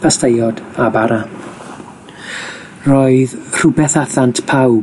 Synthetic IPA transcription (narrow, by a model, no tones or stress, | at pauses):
pʰastejɔdabaɾa | rɔɨðr̥ʊbɛθaθantʰpʰaw